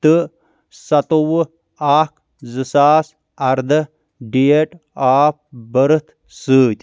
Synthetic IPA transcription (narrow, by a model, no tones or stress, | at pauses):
t̪ɨ | sɐt̪owɨ | aːk | zɨsaːs | ɐɾd̪ɨ | ɖijeʈ | aːp̚bɐɾɨt̪ʰ | sɨːt̪ʲ